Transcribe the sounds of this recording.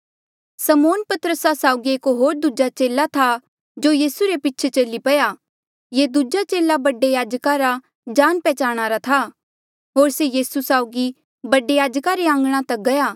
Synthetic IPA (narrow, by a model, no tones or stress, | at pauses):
sɐmoːnpɐt̪əɾəsasaːʊɡieːkɦoːɾd̪ud͡ʒat͡ʃeːlat̪ʰa | d͡ʒoːjiːsuɾepɪːt͡ʃʰet͡ʃɐlipɐja | jed̪ud͡ʒat͡ʃeːlabɐɖejaːd͡ʒkaɾa | d͡ʒaːnpɛːt͡ʃaːɽ̃aːɾat̪ʰa | ɦoːɾsejiːsusaːʊɡi | bɐɖejaːd͡ʒkaɾeãːŋɡɽ̃ãt̪ɐk̚ɡɐjaː